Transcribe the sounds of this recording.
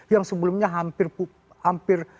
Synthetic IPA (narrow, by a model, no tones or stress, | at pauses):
jaŋsəbəlumɲaɦampɪrpu | hampɪr